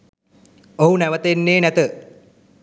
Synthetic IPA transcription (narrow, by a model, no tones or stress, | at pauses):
oɦunæʋət̪enːeːnæt̪ə